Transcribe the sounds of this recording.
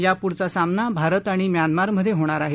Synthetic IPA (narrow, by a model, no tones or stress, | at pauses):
japuɾt͡sasamnabʱaɾət̪aɽ̃imjanmaɾməd̪ʱːjeɦoɽ̃aɾaɦe